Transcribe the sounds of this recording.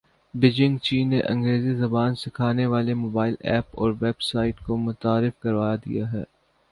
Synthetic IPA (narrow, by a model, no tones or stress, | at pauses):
bɪd͡ʒɪ̃ŋɡt͡ʃiːnːeʔɐ̰̃ŋɡɾeːzizɐbaːnsɪkʰaːneʋaːlemoːbaːɪlɛ̰ːpɔːɾʋɛːbsaːɪʈkomʊt̪aːɾɪfkɐɾʋaːjad̪ḭjaɦɛ̰ː